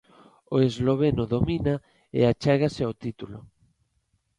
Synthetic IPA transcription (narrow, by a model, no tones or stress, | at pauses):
oezloβ̞enoðomina | ḛat͡ʃɛɣasɪawt̪it̪ulʊ̰